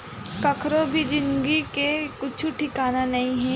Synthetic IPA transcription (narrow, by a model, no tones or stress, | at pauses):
kɐkʰɾobʱid͡ʒɪnɡikekʊt͡ʃʰuʈʰikaːnanɐɦĩɦɛ̃ː